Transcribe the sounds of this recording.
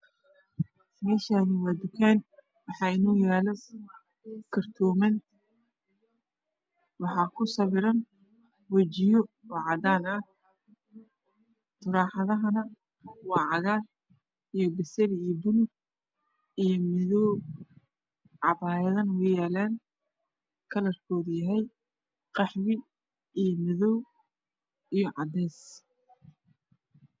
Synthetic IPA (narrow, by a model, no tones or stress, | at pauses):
mɛːʃaːnɪwaːd̪ʊkʰaːn | wɑħɑːɪnɔːjaːlɔ | kʰɐrt̪ʰɔːmɐn | wɑħɑːkʰʊsɐβɪɾɐn | wɐt͡ʃɪjɔɔʕɑd̪aːnɐ | t̪ʰʊɾaːħɑðɐɦɐnɐ | wɑːʕɑɣaːr | ijɞbɪsɐɾbʊlʊɡ̚ | ijɞmɪðɔːw | ʕɑβaːjðɐnwɛjaːlaːn | kʰɐlɐrkʰɔːðʊjɐɦɛj | qɑħβɪ | ijmɪðɔw | ijɔʕɑd̪ɛːs